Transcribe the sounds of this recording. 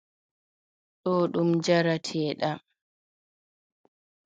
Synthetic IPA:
ɗɔːɗumd͡ʒaɾatʰɛːɗa

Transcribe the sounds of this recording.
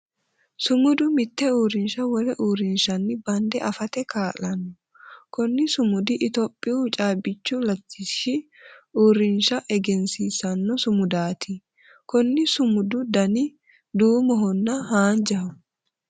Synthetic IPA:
sʊmʊd̪ʊmɪt̪ːɛuːɾɪnʃɐwɔlɛʔuːɾɪnʃɐnːɪbɐnd̪ɛʔɐfɐt̪ɛkaːlɐnːɔ | kɔnːɪsʊmʊd̪ɪʔɪt̪oːpʼːɪut͡ʃʼaːbɪt͡ʃːʊlɐt̪ʰːɪʃɪuːɾɪnʃɐʔɛɡɛnsiːsɐnːɔsʊmʊd̪aːt̪ɪ | kɔnːɪsʊmʊd̪ʊd̪ɐnɪ | d̪uːmɔɦɔnːɐhaːnd͡ʒɐhʊ

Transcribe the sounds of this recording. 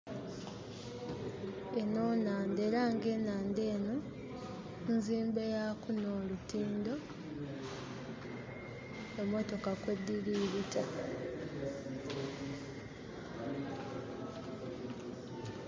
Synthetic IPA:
eno̞ːnaːndeɾaːŋɡe̞ːnaːnde̞ːno̞ | nziːmbejakunoːlutiːndo̞ | omo̞to̞kakwe̞dːiliːɾita

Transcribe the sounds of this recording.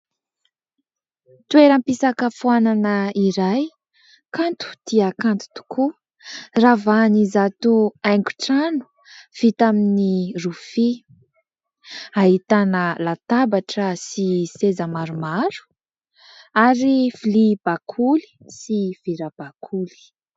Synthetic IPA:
t̪ueɾəmpisakəfuananəiɾaj | kant̪u̥d̪̥iəkant̪u̥t̪u̥ku | ravanizat̪uajŋɡu̥ʈ͡ʂanu̥ | fit̪aminirufi | aɦit̪anəlat̪abaʈ͡ʂəsisezəmaɾumaɾu̥ | aɾiflib̥akʰuli̥siv̥iɾab̥akʰuli̥

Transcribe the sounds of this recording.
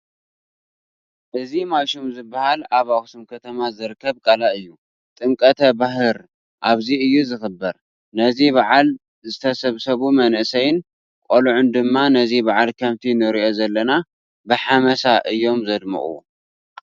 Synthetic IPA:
ʔɨzimajʃumzɨbːahalaβaxsumkʰɐt̪ʰɐmazɨɾɨkʰːɐβkʼalaʔɨjːu | t̪ʼɨŋkʼɐt̪ʰɐbaɦɨɾ | ʔaβziɨjːuzɨxɨbːɐɾ | nɐziβaʕal | zɨt̪ʰɐsɐβsɐβumɐnʔsɐjɪn | kʼoluʕʊnd̪ɨmːanɐzibaʕalkʰɐmt̪ʰinɨɾiʔo̞zɐlːɐna | bɨħamɐsaʔɨjːo̞mzɐd̪mɨ̰χʼṵ

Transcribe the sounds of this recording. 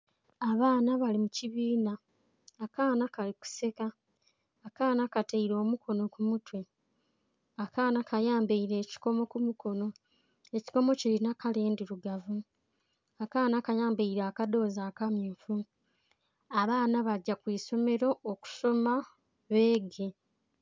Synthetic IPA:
aβaːnaβalimuciβiːnaː | kaːnakaliku̥se̞kaː | kaːnakateiɾo̞ːmukʰo̞no̞kumutwe̞ | akaːnakajaːmbeiɾe̞ːci̥ko̞mo̞kumuko̞no̞ | e̞ci̥ko̞mo̞cilinakale̞ːndiɾuɡavu | akaːnakajaːmbeiɾaːkado̞ːzaːkamjuːfu | aβaːnaβaɟːakwiːso̞me̞ɾo̞ːku̥so̞ma | βe̞ːɡe̞

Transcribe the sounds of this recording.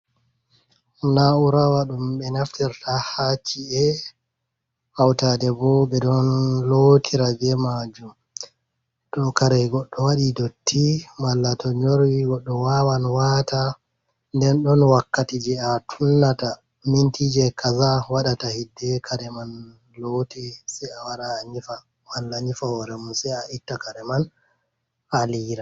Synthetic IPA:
nauɾawaɗumɓɛnaftiɾtahat͡ʃːiɛ | hawtadɛbɔɓɛɗɔnlotʰiɾad͡ʒɛmad͡ʒum | tɔkaɾɛɡɔɗːɔwaɗidotʰːimalːatɔɲoɾwiɡɔɗːɔwawanwata | ndɛnɗɔnwakːatid͡ʒɛatʰunːata | mintʰid͡ʒɛkʰazawaɗatahidːɛkʰaɾɛman | lotisɛawaɾaːɲifa | walːaɲifawɔɾɛmunsɛaʔitːakaɾɛman | aliːɾa

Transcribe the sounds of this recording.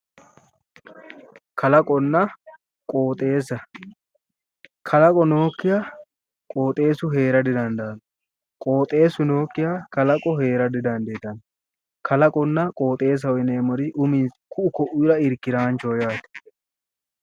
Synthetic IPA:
kʰɐlɐkʼɔnːɐ | kʼoːt̪ʼe̞ːs̬ɐ | kʰɐlɐkʼɔno̞ːkːɪja | kʼo̞ːt̪ʼe̞ːsʊɦe̞ːɾɐd̪ɪd̪ɐnd̪ɐn | kʼo̞ːt̪ʼe̞ːsʊno̞ːkːɪjakɐlɐkʼɔhe̞ːɾɐd̪ɪd̪ɐnd̪eːt̪ɐn | kɐlɐkʼɔnːɐkʼoːt̪ʼe̞ːs̬ɐwɔjɪneːmɔɾɪʔʊmɪkʊʊkɔʔʊjɾɐɪɾkːɪɾaːnt͡ʃoːjaːt̪ɛ̥

